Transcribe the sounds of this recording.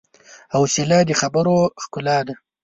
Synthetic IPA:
awselɑd̪əxabəɾoxkʊlɑd̪a

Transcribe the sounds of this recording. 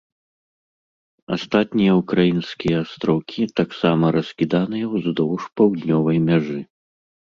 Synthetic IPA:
a̰st̪at̪ʲnʲijɐukɾajinsʲkʲijɐːst̪ɾɔwkʲit̪aksamɐɾɐsʲkʲid̪anɨjɐwzd̪ɔwʂpɐwd̪ʲnʲɔvɐjmʲaʐɨ

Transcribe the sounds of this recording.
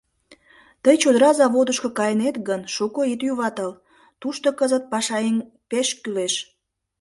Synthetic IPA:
t̪əjt͡ɕod̪əɾɑzɑβod̪əʃkokɑjənet̪ɡənʃukoit̪juβɑt̪əl | t̪uʃt̪okəzət̪̚pɑʃɑen | peʃkyleʃ

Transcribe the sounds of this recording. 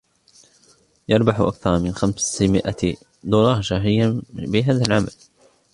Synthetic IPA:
jɑɾˤbaħʊʔakθɑɾˤɑmɪnxamsmɪʔa | d̪uːlɑɾˤʃaːɦɪjːabɪɦaːðalʕamal

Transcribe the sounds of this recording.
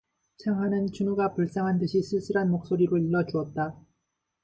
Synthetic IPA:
t͡ɕʰaŋɦanɯnt͡ɕunuɡapuɭs͈aŋɦandɯɕʰisʰɯɭs͈ɯɾɦanmok̚s͈oɾiɾoiɭːʌd͡ʑuʌt̚t͈a

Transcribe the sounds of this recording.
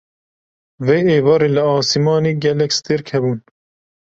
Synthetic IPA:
veeːvɑːɾiːləɑːsimɑːniːɡɛlɛkʲst̪eɾkʰhɛbuːn

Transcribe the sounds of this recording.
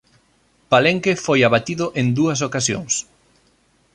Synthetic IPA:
paleŋkefojaβat̪iðʊʔẽnd̪uɐs̬okasjo̰ŋs

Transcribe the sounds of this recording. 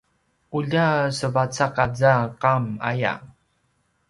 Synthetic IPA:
uʎasəvat͡sakad͡zaqama̰ja̰

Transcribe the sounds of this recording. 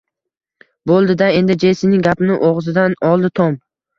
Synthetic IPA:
bolˠd̪ɪd̪ae̞nd̪ɪd͡ʒesɪnɪɡʲapnɪʔoʁzɪd̪anɒlˠd̪ɪt̪ʰɒm

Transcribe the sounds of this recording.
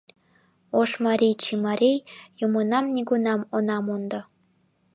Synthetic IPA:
oʂmaɾʲijt͡ɕʰimaɾʲijjumonɑmnʲiɡunɑmonɑmond̪ɑ

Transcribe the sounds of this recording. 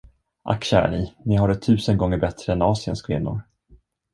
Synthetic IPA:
ʔa̰kɕæːɾa̰ninɪɦaɖɛt̪ʰʉ̟ːsənɡɔŋːəɾbɛt̪ɾəɛnɑːsɪə̰nskʰvɪnːʊ̰ɾ

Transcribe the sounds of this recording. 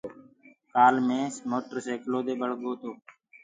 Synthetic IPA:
kaːlmẽːsmoːʈəɾseːkloːd̪eːɓəɽɡoːt̪oː

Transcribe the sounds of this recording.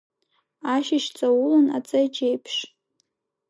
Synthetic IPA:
aʃɪʃt͡sʼawʊlɨna̰t͡sʼajt͡ʃʼejpʰʂ

